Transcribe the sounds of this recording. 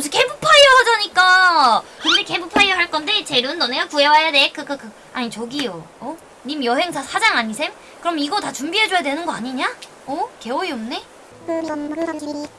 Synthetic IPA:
s̬ʰoke̞bupʰaiohad͡ʑaɲik͈akɯnde̞ke̞bupʰaioɦaɭk͈ʌnde̞t͡ɕe̞ɾɯnːʌneɡakuewajadekɯkɯkɯ | aɲit͡ɕoɡijoʌ | nimjʌɦe̞ŋsʰasʰad͡ʑaŋaɲisʰem | kɯɾʌmiɡʌtat͡ɕumbiɦe̞d͡ʑojadwe̞nɯnɡʌaɲiɲa | ʌke̞oiomne̞

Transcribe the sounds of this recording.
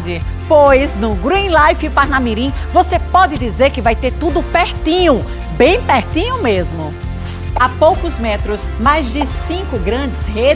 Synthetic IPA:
d͡ʒɪ | pojznʊɡɾĩlajfɪpaɾnamiɾĩvosepɔdɪd̪izeɾkɪvajt̪eɾt̪ud̪ʊpɛɾt̪ĩɲʊ | bẽj̃pɛɾt̪ĩɲʊmezmʊ | apowkʊzmɛt̪ɾʊs | majzd͡ʒɪsĩkʊɡɾɐ̃d͡ʒɪshe

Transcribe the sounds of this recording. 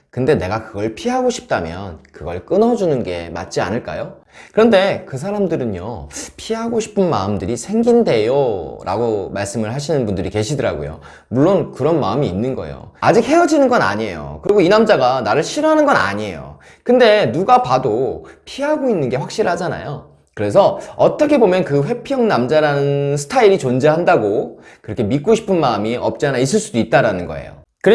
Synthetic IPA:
kɯnde̞ne̞ɡakɯɡʌɭpʰiɦaɡoɕʰi̥p̚t͈amjʌ̰nkɯɡʌɭk͈ɯnʌd͡ʑunɯnɡe̞̰ma̰t̚t͡ɕ͈ia̰nɯɭk͈a̰jo | kɯɾʌnde̞kɯs̬ʰaɾamdɯɾɯnjo̰pʰiɦaɡoɕʰi̥pʰɯnma̰ɯmdɯɾisʰe̞ŋɡinde̞joɾʔa̰ɡomaɭs͈ɯmɯɭhaɕʰinɯnbundɯɾike̞ɕʰidɯɾa̰ɡo̰jo̰ | muɭːonkɯɾʌnmaɯmiːnːɯnɡʌḛjo̰ad͡ʑik̚he̞jʌd͡ʑinɯnɡʌna̰ɲie̞̰jo̰kɯɾiɡoinamd͡ʑaɡanaɾɯɭɕʰiɾoɦanɯnɡʌna̰ɲie̞̰jo̰ | kɯnde̞nuɡapadopʰiɦaɡoinːɯnɡe̞ɸwak̚ɕ͈iɾɭɦad͡ʑana̰jo | kɯɾe̞sʰʌʌt͈ʌkʰe̞bomjʌnkɯɸwe̞pʰjʌŋnamd͡ʑaɾanɯnsʰɯ̥tʰaiɾit͡ɕond͡ʑe̞ɦandaɡo | kɯɾʌkʰe̞mit̚k͈oɕʰi̥pʰɯnmaɯmiʔʌ̰p̚t͡ɕ͈anais̬͈ɯɭs͈udoit̚t͈aɾanɯnɡʌ̰e̞̰jo̰ | kɯɾe

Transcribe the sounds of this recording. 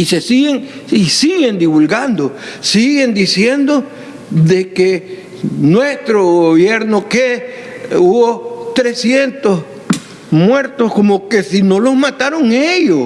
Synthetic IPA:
isesiɣeŋisiɣe̞nd̪iβulɡand̪osiɣe̞nd̪isjend̪o | ðeke | nwest̪ɾoɣoβjeɾnoke | uβot̪ɾe̞sje̞nt̪os | mwe̞ɾt̪oskomoke̞sino̞lohmat̪aɾoŋejo

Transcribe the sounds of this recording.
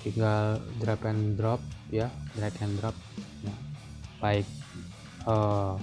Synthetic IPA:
t̪iŋɡald̪ɾapand̪ɾɔp̚jad̪ɾakand̪ɾɔp̚ | ja | baik̚ | ə

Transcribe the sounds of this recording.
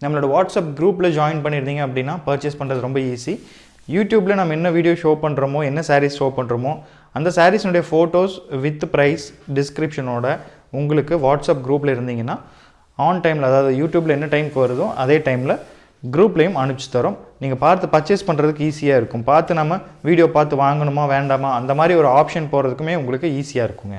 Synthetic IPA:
nɐmːɐɭoːɽɐʋaːʈsaːp̚ɡɾuːplɐd͡ʒaːɪnpɐɳːɪɾɯnd̪iːŋɡɐɐpːɐɽɪnːaːpɐɾt͡ʃɪspɐɳːɾɐðɯɾɔmbɐiːsi | juːʈjuːblɐnaːmɐɛnːɐʋiːɽɪjoːʂoːpɐɳːɾɐmõːɛnːɐsaːɾisʃoːpɐɳɾɐmoː | ɐnd̪ɐsaːɾisɛnʊɽɐjɐfoːʈoːsʋɪt̪ːpɾɐɪsɖɪskɾɪpʂɐnoːɽɐ | ʊŋɡɐɭɯkːɯʋaːʈsaːp̚ɡɾuːplɐɪɾɯnd̪iːŋɡɐnːaː | aːnʈɐɪmlɐðaːʋɐðɯjuːʈjuːblɐɛnːɐʈɐɪmkɐʋɐɾɐðʊ̃ʔɐðeːʈɐɪmɪlɐ | ɡɪɾuːplɐjɯmɐɳɯt͡ʃːɯ̥t̪ːɐɾʊmniːŋɡɐpaːɾt̪ɯpɐt͡ʃːespɐɳːɾɐðɯkːɯiːsɪjaːɪɾɯkːʊmpaːɾt̪ɯnaːmɐʋiːɽɪjoːpaːɾt̪ɯʋaːŋɡɐɳɯmaːʋeːɳɖaːmaːɐnd̪ɐmaːd̪ɾiɔɾɯaːpʂɐnpoːɾɐðɯkːɯmeːʊŋɡɐɭɯkːɯiːsɪjaːɪɾɯkːʊŋɡɐ̰

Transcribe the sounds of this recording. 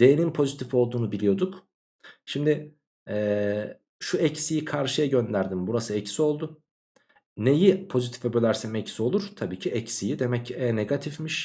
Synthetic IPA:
d̪̥e̞jenimpʰo̞zit̪ʰifo̞lˠd̪uːnubilʲijo̞d̪uk | ʃimd̪ɪ | ɛː | ʃuɛcsijikʰaɾʃɯjaɟønd̪æɾd̪imbuɾasɯɛcsio̞lˠd̪ʊ | ne̞jipʰo̞zit̪ʰi̥fɛbølʲæɾsimɛcsio̞lˠuɾ̥t̪ʰabiːcʰiɛcsijid̪e̞mɛcɛːneɡat̪ʰifmiʃ

